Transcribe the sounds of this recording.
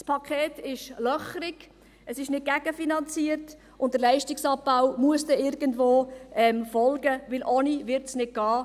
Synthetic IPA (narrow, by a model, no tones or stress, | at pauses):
spʰɑkʰχeːtɪʃlœχəɾɪɡ̥ | əsɪʃnɪt̚ɡæɡəfinɑnt͡siəɾt | ʔʊnt̚d̥əɾlɛɪʃtɪksɑb̚b̥aʊmuəstɛɪɾɡəndʋoːɛmfɔlɡəʋɪlʔonivɪɾtsnɪt̚ɡ̥ɑː